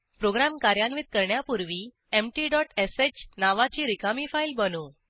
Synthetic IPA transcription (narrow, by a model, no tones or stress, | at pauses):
pɾoɡɾamkaɾjanʋit̪̚kəɾɳjapuɾʋiː | emʈiɖɔʈeset͡ɕnaʋat͡ɕiːɾikamifailbənu